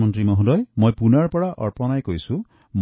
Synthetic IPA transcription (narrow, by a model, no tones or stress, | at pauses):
mɔntɹimɔɦud̪ɔjmojpunaɹpɔɽaʔɔ̰ɹpɔnajkojsũ | m